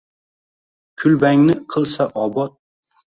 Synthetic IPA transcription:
kʲʰʊlbaŋnɪqʰɨlˠsaʔɒbɒt̪̚

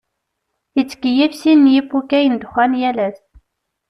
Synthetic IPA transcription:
jət͡sːə̥kəjifsinːjifukæjənd̪χænjælæθ

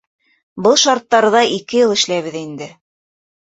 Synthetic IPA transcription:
bɤlˠʃɑɾt̪ːɑɾɤ̆ðɑʔikɘ̆jɤlˠɘ̆ʃlæβɘðind̪ɘ

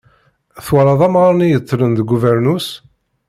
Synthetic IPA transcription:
θwɑɾˤɑðˤɑmʁɑɾnijət͡sˤːlənd̪ɡuvəɾnus

